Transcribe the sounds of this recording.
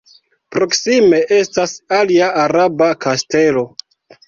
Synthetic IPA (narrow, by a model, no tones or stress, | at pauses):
pɾo̞ksime̞ʔe̞stasaliaaɾabakaste̞lo̞